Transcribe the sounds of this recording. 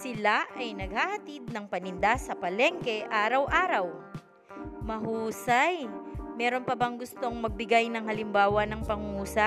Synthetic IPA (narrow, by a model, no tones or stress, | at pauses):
sɪlaʔɐjnɐɡ̚hahɐt̪id̪̚nɐŋpɐnɪnd̪asɐpɐlɛŋkɛʔaːɾɐwʔaːɾɐw | mɐɦuːsɐjmɛːɾo̞npɐbɐŋɡʊst̪o̞ŋmɐɡ̚bɪɡajnɐŋhɐlɪmbaːwɐnɐŋpɐŋuːsa